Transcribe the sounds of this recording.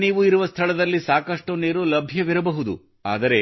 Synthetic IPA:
niːʋuiɾuʋɐst̪ʰɐɭɐd̪ɐlːisaːkɐʂʈuneːɾulɐbʱjɐʋiɾɐbɐɦud̪ṵ | a̰ːd̪ɐɾe̞

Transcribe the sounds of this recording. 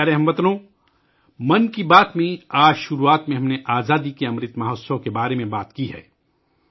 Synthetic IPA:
aːɾeɦɐmbɐt̪nõː | mɐnkibaːt̪mẽaːd͡ʒʃʊɾuːaːt̪mẽɦɐmneʔaːzaːd̪ikeɐ̃mɾɪt̪maːɦoːsõkebaːɾemẽbaːt̪kiɦɛ̰ː

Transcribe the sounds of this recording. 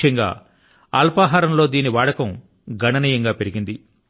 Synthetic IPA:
ɐŋɡa̰ː | a̰ːlpaːɦaːɾɐmlo̞ːd̪iːniʋaːɽɐkɐm | ɡʱɐɳɐnijɐŋɡaːpe̞ɾiɡind̪i

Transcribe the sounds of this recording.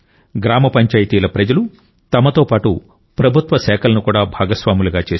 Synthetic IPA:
ɡɾaːmɐpɐɲt͡ʃaːjit̪iːlɐpɾɐd͡ʒɐlu | t̪ɐmɐt̪oːpaːʈu | pɾɐbʱut̪ʋɐsɛːkʰɐlɐnukuːɽaːbʱaːɡɐsʋaːmuluɡaːt͡ʃeːs

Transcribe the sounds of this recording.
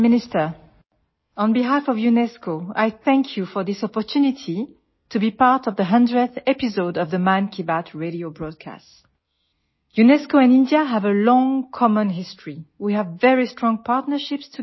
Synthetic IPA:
mɪnɪstə˞ | ə̃nbiɦafɔvjunɛskoa̰jθæ̃ŋkʰjufɔ˞ðɪsɔpɔtʰʉnitʰi | tʰubipɑɹtʌvðəɦʌ̃ndɹəθɛpizoʊdʌvðəmãnkʰibatʰɹeɾiobɹɔd̚kʰa̰st | junɛskoɛ̃nɪ̃ndiaɦævəlɔ̃ŋkʰɔmə̃nɦɪstʰɹ̥iwiævːɛɹistɹ̥ɔ̃ŋpʰaɹtnə˞ʃɪpstʰu

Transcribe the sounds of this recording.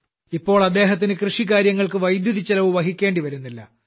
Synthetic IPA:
ipːo̞ːɭɐd̪ːe̞ːɦɐt̪̬ːinɨkrɨʂik̬aːɾjɐŋːɐɭkɨʋɐjd̪juðit͡ɕːɐlɐʋuʋɐɦikʲːe̞ːɳɖiʋɐɾunːilːɐ̰

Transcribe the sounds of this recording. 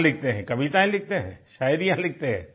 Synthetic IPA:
lɪk̚ʰt̪eɦɛ̃kɐbʱit̪ãĩlɪk̚t̪eɦɛ̰̃ʃaːjɾijãlɪk̚t̪eɦɛ̰̃ː

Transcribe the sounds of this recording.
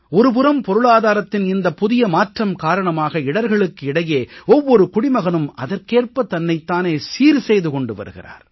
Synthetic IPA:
ɔɾɯp̬ɯɾɐmpɔɾɯɭaːðaːɾɐt̪ːɪnɪnd̪ɐpʊðɪjɐmaːʈrɐmkaːɾɐɳɐmaːɣɐɪɽɐɾɣɐɭɯkːɯɪɽɐjeːɔʋːɔɾɯkʊɽɪmɐɣɐnɯmɐ̰ðɐɾkeːrpɐt̪ɐnːɐɪt̪ːaːneːsiːɾsɛjðɯkɔɳɖɯʋɐ̰ɾɯ̰ɣɪ̰ra̰ːɾ

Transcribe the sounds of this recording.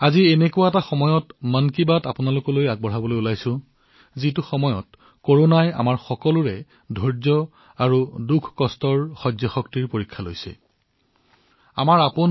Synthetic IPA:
azienɛkʊwaɛtaxɔmɔjɔtmənkibatapʊnalʊkɔlojaɡ̚bɔɹ̤abɔlojulajsʊ̃ | zituxɔmɔjɔ̰t | koɹonaja̰maɹxɔkɔlʊɹɛ | dʱɔɹzɔ | aɹudukʰkɔstɔɹxɔzɔxɔktiɹpoɹikʰːalo̰jsɛ̰ | a̰maɹapʊn

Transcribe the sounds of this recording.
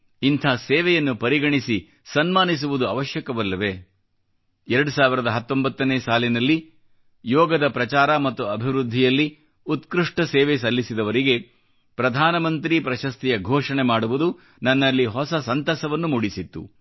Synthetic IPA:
int̪ʰaːsɛːʋɛjɐnːupɐɾiɡɐɳisi | sɐnmaːnis̬uʋud̪uɐʋɐʃjɐkɐʋɐlːɐʋe | ɛɾɐɽusaːʋiɾɐd̪ɐɦɐt̪ːo̞mbɐt̪ːɐneːsaːlinɐlːi | jɔːɡɐd̪ɐpɾɐt͡ʃaːɾɐmɐt̪ːuɐbʱiʋɾud̪ʱːijɐlːi | ut̪kɾuʂʈɐsɛːʋes̬ɐlːisid̪ɐʋɐɾiɡe̞ | pɾɐd̪ʱaːnɐmɐnt̪ɾipɾɐʃɐst̪ijɐɡʱɔːʂɐɳemaːɽuʋud̪u | nɐnːɐlːiɦɔsɐsɐnt̪ɐsɐʋɐnːumuɽisit̪ːṵ

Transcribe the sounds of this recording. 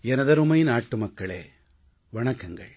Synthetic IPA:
ɛnɐðɐɾɯmɐjɪnaːʈːɯmɐkːɐɭḛː | ʋɐɳɐkːɐŋɡɐ̰ɭ

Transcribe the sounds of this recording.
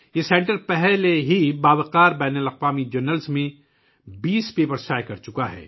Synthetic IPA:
jesẽːɳʈəɾpɛɦleɦibaːbəqaːɾbɛːnəlɐqʋaːmid͡ʒɐɾnəlsmẽ | biːspeːpəɾsaːjkɐɾt͡ʃʊkaɦɛ̰ː

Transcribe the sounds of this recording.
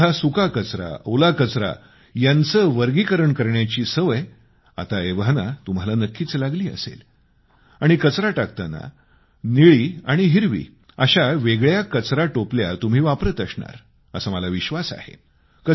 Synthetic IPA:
asukakət͡sɾa̰olakət͡sɾa̰ | jant͡səʋəɾɡikəɾəɳkəɾɳjat͡ɕiːsəʋəj | a̰t̪aeʋɦnat̪um̤alanəkːiːt͡slaɡliːə̰sḛl | aɽ̃ikət͡sɾaʈak̚t̪ana̰ | niɭiːaɽ̃iɦiɾʋḭː | əɕaʋeɡɭjakət͡sɾaʈoplja̰t̪um̤iːʋapɾət̪əsɳa̰ɾ | əsəməlaʋiɕʋasa̰hḛ | kə

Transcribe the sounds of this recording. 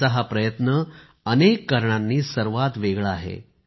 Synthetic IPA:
əɦapɾəjət̪nə | ənekːəɾɳ̃anːiːsəɾʋat̪ʋeɡɭaːɦḛ

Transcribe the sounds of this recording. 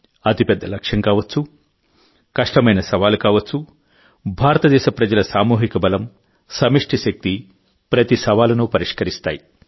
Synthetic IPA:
ɐt̪ipɛd̪ʱːɐlɐkʂɐŋkaːʋɐt͡ʃːu | kɐʂʈɐmɐjnɐsɐʋaːlukaːʋɐt͡ʃːu | bʱaːɾɐt̪ɐd̪ɛːʃɐpɾɐd͡ʒɐlɐsaːmuːɦikɐbɐlɐm | sɐmiʂʈʰiʃɐk̚t̪i | pɾɐt̪isɐʋaːlɐnupɐɾiʂkɐɾist̪aːji

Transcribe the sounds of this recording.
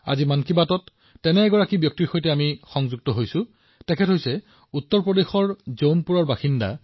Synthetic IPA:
a̰zimankibatɔtː | ɛnɛːɡɔɹakibjɔk̚tiɹxojtɛamixɔŋzuɡ̚tɔɦojsʊ̃ | tɛkʰɛtɦojsɛ | utːɔɹpɹɔdexɔɹzownpuɹɔɹbaxinda̰

